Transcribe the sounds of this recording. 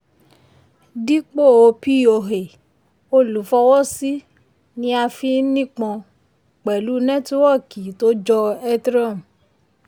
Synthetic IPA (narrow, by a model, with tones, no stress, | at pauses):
di˦k͡po˦˨o˧pi˦˨o˨˧˨ɦe˨ | o˧lu˨˦fɔ˧wɔ˦si˦ | nĩ˧˦a˧fi˧˦nĩ˦k͡pɔ̃˧ | k͡pɛ˨lu˨˦nɛ̃˦tu˦wɔ˦˨ki˨˦to˦d͡ʒɔ˧ɛ˦tɾã˦˨m˨